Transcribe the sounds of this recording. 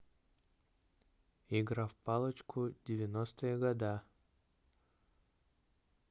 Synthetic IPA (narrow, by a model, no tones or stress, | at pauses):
iɡɾafpalˠət͡ʃkʰʊd̪ʲɪvʲɪnost̪ɨjəɡɐd̪a